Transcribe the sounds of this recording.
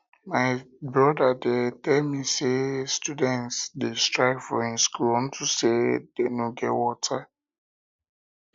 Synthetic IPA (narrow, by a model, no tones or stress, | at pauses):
maɪbɹɔdadɛtɛlmisestudɛ̃ntsdestɹaɪɡfɔĩnskulɔ̃n̩tʰusedenoɡɛwɔtʰa